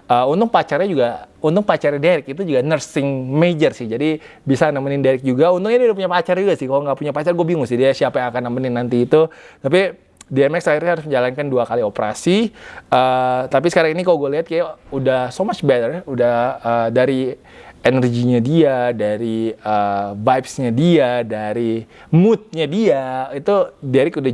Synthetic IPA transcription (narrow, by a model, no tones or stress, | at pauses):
əunt̪ʊŋpat͡ʃarɲad͡ʒuɡaunt̪ʊŋ̚pat͡ʃarɲadeɾɪk̚it̪̬ud͡ʒuɡanərsɪŋmed͡ʒərsɪhd͡ʒadi | bisanamənɪndaɾɪk̚d͡ʒuɡaunt̪ʊk̚ɲadudapuɲapat͡ʃard͡ʒuɡasɪhkaloŋɡaʔpuɲapat͡ʃarɡuabiŋʊŋsɪhdiasiapajaŋakanamənɪnːant̪iːt̪ut̪ap̬i | diɛmɛksairɲahaɾʊs̬məɲd͡ʒalankanduakaliopəɾa̰siət̪apisə̥kaɾaŋinikaloɡualiɦat̪̚kajaudahsomat͡ʃbet̪ərudahədaɾi | enərɡiɲadiadaɾiəvajpsɲadiadaɾi | mut̪̚ɲadiait̪udeɾɪkuda